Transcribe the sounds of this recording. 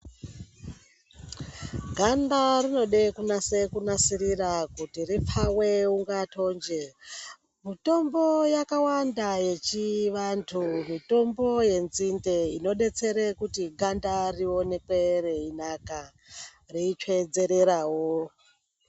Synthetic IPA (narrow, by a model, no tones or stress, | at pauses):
ɡʱandarino̞ɗekunasekunasiɾiɾakutirip͡faweuŋɡatʰo̞nd͡ʒe | mito̞mbo̞jakawandaje̞t͡ʃiʋantʰumito̞mbo̞je̞nzindeino̞ɗe̞t͡se̞ɾekutiɡʱandario̞ne̞kwe̞re̞inaka | riit͡ʃwe̞d͡ze̞ɾe̞ɾaːwo